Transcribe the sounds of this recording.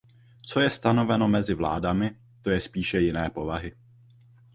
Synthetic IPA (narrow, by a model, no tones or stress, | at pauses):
t͡so̞jɛst̪ano̞vɛno̞mɛzɪvla̰ːdamɪ | t̪o̞jɛspiːʃɛjɪnɛːpo̞vaɦɪ